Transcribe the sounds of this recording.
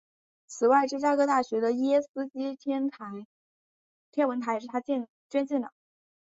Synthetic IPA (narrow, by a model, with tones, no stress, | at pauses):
t͡sʰɹ̩˨˩wa˥˧ɪʈ͡ʂɻ̩˥˩t͡ɕja˥kɤ˥˧t̪a˥˩ɕɥɛ˧˥d̪ə˧jɛɛ˥sɹ̩˥t͡ɕi˥t̪ʰɛ˥nt̪ʰa˧˥ɪ | t̪ʰjɛ˥nwə˧˥nt̪ʰa˧˥ɪ˧ʂɻ̩˥˩t̪ʰa˥t͡ɕɛ˥˩n | t͡ɕɥɛ˥nt͡ɕjɛ˥˩nd̪ə̰˨˩